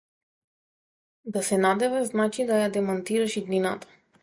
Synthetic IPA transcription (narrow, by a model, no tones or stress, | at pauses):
d̪asɛnad̪ɛvɛznat͡ʃid̪ajad̪ɛmant̪iɾaʃid̪ninat̪ḁ